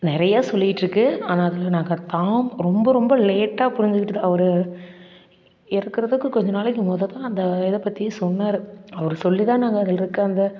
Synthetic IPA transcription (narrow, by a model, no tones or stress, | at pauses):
nɪɾɐjaːsɔlːɪjɪʈːrɯkːɯaːnaːɐðɪlnaːŋɡɐt̪aːmɾɔmbɐɾɔmbɐleːʈːaːpʊɾɪɲd͡ʒɯkɪʈːɯðãːɐʋɐɾɯ | ɪɾɯkːɪɾɐðɯkːɯkɔɲd͡ʒɔnaːɭɛk̬ːɯmoːðɐt̪ãːɐnd̪ɐɪðɐpːɐt̪ːɪjɐsɔnːaːɾɯɐʋɐɾɯsɔlːit̪ãːnaːŋɡɐːðɪlɪɾɯkːɯɐnd̪ɐ